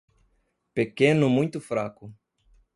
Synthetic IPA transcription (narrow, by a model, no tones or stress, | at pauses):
pekẽnʊmũj̃t̪ʊfɾakʊ